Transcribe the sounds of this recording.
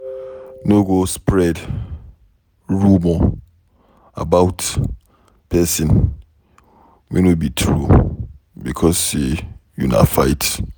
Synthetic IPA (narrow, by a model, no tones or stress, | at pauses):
noɡospɹɛd | ɹumɔ | a̰baʊt | pʰɛsĩn | mḛnobitʰɹṵ | bikʰɔsejuna̰faɪt